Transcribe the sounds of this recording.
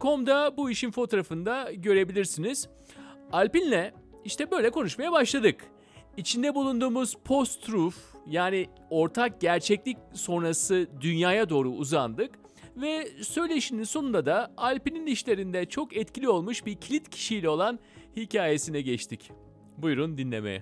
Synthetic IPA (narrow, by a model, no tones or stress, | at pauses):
kʰo̞md̪abuiʃinfo̞t̪ʰoɾafɯnd̪aɟø̞ɾe̞bilʲiɾsiniz̥ | alʲpinlʲɛiʃt̪ɛbø̞jlʲɛkʰo̞nuʃmajabaʃlˠad̪ɯk | it͡ʃʰind̪ɛbulˠund̪uːmuz̥pʰo̞st̪ɾufjaːni | o̞ɾt̪ʰak̚ɟæɾt͡ʃʰɛclʲicso̞nɾasɯd̪ynjaːjad̪o̞ːɾuːzand̪ɯk | vɛsø̞jlʲe̞ʃininso̞nund̪ad̪aalʲpininiʃlʲe̞ɾind̪ɛt͡ʃʰo̞kɛt̪cʰilʲio̞lˠmuʃbiɾcʰlʲit̪cʰi̥ʃijlʲɛo̞lˠan | hicʰaːje̞sinɛɟɛt͡ʃt̪ʰic | bujɾund̪inlʲḛmḛɛ̰